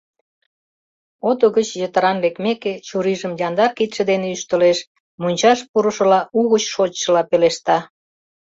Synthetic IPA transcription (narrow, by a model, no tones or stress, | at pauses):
ot̪oɣət͡ɕjət̪əɾɑnlekmeket͡ɕuɾiʒəmjɑnd̪ɑrkit̪ʃə̆d̪eneyʃt̪ə̆leʃ | munʲt͡ɕɑʃpuɾəʃə̆lɑuɣət͡ɕʃot͡ɕʃə̆lɑpeleʃt̪ɑ